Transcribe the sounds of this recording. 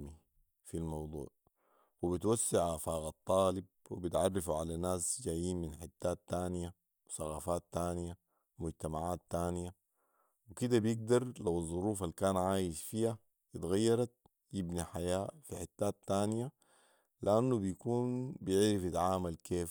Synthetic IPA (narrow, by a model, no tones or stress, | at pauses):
mi | filmɑwd̪ˤṵːʕ | wibit̪wasːaʕʔafaːɣɑt̪ˤːɑːlib̚wḭbit̪ʕɑrˤːɑfuʕalanaːsd͡ʒaːjːiːnminħɪt̪ːaːt̪ːaːnija | wsɑɣa̰ːfaːt̪ːaːnja | mʊɟt̪amaʕaːt̪ːaːnja | wikid̪abjɪɡ̚d̪ɑɾˤlawɑzˤːʊɾuːfalkaːnʕaːjiʃfiːa | jɪt̪ɣajːɑɾˤɑt̪̚ | jibniħajaːfiħɪt̪ːaːt̪ːaːnija | lɪʔanːubijkuːnbjɪʕɾifjit̪ʕaːmalkeː